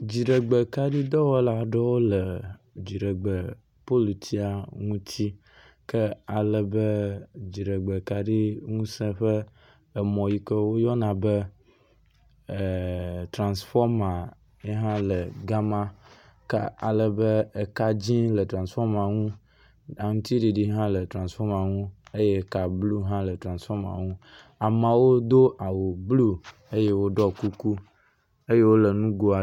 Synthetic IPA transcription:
d͡ʑi˨ɖə˨ɡ͡bə˨ka˦ɖi˦d̪ɔ˦wɛ˦la˨˦ɖe˦wo˦lə˨d͡ʑi˨ɖə˨ɡ͡bə˨ | po˦lu˨t̪ʰi˦a˨ŋũ˦t̪ʰi˦ | kə˦a˨lə˨bə˦d͡ʑi˨ɖə˨ɡ͡be˨ka˦ɖi˦ŋũ˦sɛ̃˦ɸə˦ | ə˨mɔ̃˨ji˨kə˦wo˦jɔ˦nã˨bə˦˨ | t̪ɾã˨nsfɔ˦ɾmã˨ | e˦ɦã˦lə˨ɡa˦mã˦ | ka˦a̰˨lə˨bə˦e˨ka˦d͡ʑĩ˦lə˨t̪ɾã˨nsfɔ˦ma˨ŋũ˦ | a˨ŋũ˦t̪i˦ɖi˨ɖi˦ɦã˦lə˨t̪ɾã˨nsfɔ˦ma˨ŋũ˦e˦je˦˨ka˨blu˦ɦã˦lə˨t̪ɾã˨nsfɔ˦ma̰˨ŋũ˦ | a˨mã˨wo˦d̪o˦ʔa˨wo˨blu˦ | e˦je˦wo˦ɖɔ˦ku˦ku˦ | e˦je˦wo˦lə˨nũ˦ɡo˦a˨

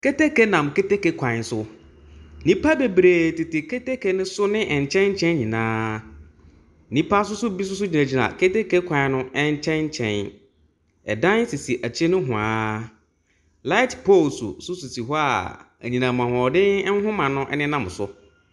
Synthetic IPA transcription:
ke˦te˦ke˦nã˨mke˦te˦ke˦kʷʰã˨ɪ˨n˦sʊ˦ | nĩ˦pa˦be˨bɾeː˨tɪ˨tɪ˨kʰe˦te˦kʰe˦nɪ̃˦sʊ˦nɪ̃˦ʔɛ˨ɲ˨t͡ɕʰɛ̃˦nɲ̩˦t͡ɕʰɛ̃˦nɲĩ˨nãː˦ | nĩ˦pʰa˦s̬ʊ˦sʊ˦bi˦s̬ʊ˦s̬ʊ˦d͡ʑi˨nã˨d͡ʑi˨ɾa̰˨ke˦te˦ke˦kʷʰã˨˦nʊ̃˦ɛ˦ɲ˦t͡ɕʰɛ̃˦nɲ̩˦t͡ɕʰɛ̰̃˦˨n | ɛ̰˨dã˦n˦si˨si˨ʔæ˨t͡ɕʰi˦nʊ̃˦ɦʊ̃˨aː˦ | la˦ɪ˦tpʰo˦˨lsṵ˨sʊ˦su˨si˨ɦɔ˦a̰˨ | æ˨ɲĩ˨nã˨m˨ã˨hɔ̃˨dɪ˦ɛ˦n̩˦ɦʊ̃˦mã˨nʊ̃˦ʔɛ̰˦nɪ̃˦nã˦m˨sʊ˦

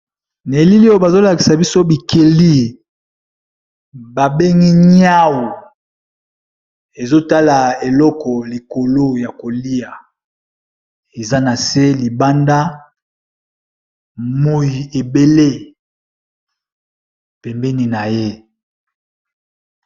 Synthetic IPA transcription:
ne˨li˦li˦o˦ba˨zo˦la˨ki˨sa˨bi˦so˦bi˨kʰe˨li˦ | ba˨be˦ŋi˦ɲ˦a˦wu˨ | e˨zo˦ta˦la˨e˨lɔ˦kɔ˨li˨ko˨lo˦ja˨ko˨li˦ja˨ | e˨za˦na˨se˦li˨ba˦nda˦ | mo˦ji˨e˨be˦le˦ | pɛ˨mbɛ˦ni˨na˨je˦

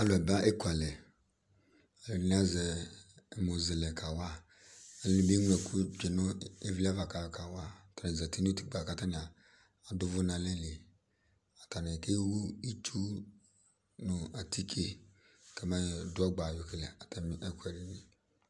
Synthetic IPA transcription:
a˦lɛ˨ba˦ʔe˦ku˨a˨lɛ˨ | ɛ˨lɛ˨ɾi˨ni˦a˦zɛ˨ | mo˨zɪ˨lɛ˨kʰa˨wa˦˨ | ɛ˨lɛ˦nĩ˨˦bi˦ŋ˦ɛ˨ku˦d͡ʒɛ˨nʊ˦e˦va˦va˨ka˨ka˨wa˦˨ta˨nɪ˨zɛ˨ti˦n˦u˦ti̥˦k͡pa˨ka˨ta˦nɪ˨a˨ | a˨dʊ˦vʊ˦na˨lɛ˦le˨ | a˨ta˨nɪ˨ke˦wu˦i˦t͡ʃʰu˦ | nʊ˨a˨tʰi˦kʰe˦ | ka˨ma˦˨dʊ˦ɔ˦ɡ͡ba˨jʊ˨ke˨lɛ˨a˨tɛ˦m˨ʔɛ˦kwɛ˨ɾi˨ni˦

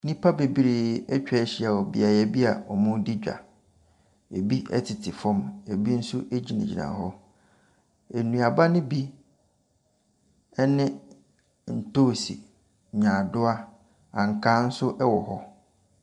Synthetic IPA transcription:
nĩ˦pʰa˦be˨bi˦ɾi˨ɛ˦t͡ɕᶣɛ˨˦ɕi˦a˨ɔ˨bḭ˨a˨jɛ˨bi˦a̰˨ɔ˨mʊ̃˦di˦d͡ʑᶣa̰˨ | e˨bi˦ɛ̰˦tʰɪ˨tʰɪ˨fɔ̃˦mɛ˨bi˦n̩˦sʊ˦ʔe˦d͡ʑi˦nã̰˨d͡ʑi˨nã̰˨ɦɔ˦ | e˨nũ˨a˨ba˦nɪ̃˦bi˦ | ɛ˦nɪ̃˦ | n̩˨toː˦˨sḭ˨ | ɲã˨dʊ˦a˦ | ã˨ŋ̩˨kʰã˦n̩˦sʊ˦ʔɛ˦wɔ˨ɦɔ˦

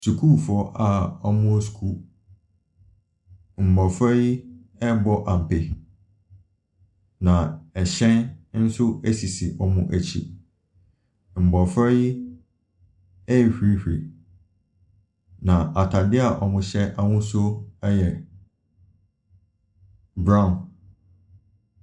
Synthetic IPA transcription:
su˨kʰu˦˨fɔ˦ʔa˨ɔ˦mʊ̃˦o˦skʰu˦ | m̩˨bɔ˨fɾɛ˦ji˦ | ɛ˦bɔ˦ʔã˨m̩˨pɪ˨ | nã˨ɛ˨ɕɛ̃˦nn̩˦sʊ˦æ˦si˨si˨ʔɔ˦mʊ̃˦ʔæ˨t͡ɕʰḭ˨ | m̩˨bɔ˨fɾa˦ji˦ | ɛ˦˨hᶣɾi˦hᶣɾi˨ | nã˨ʔa˨tʰa˨dɪ˦a˨ʔɔ˨mʊ̃˨ɕɛ˦ʔa˦wʊ̃˦sʊ˦ɛ˦jɛ˨ | bɾã˦˨n

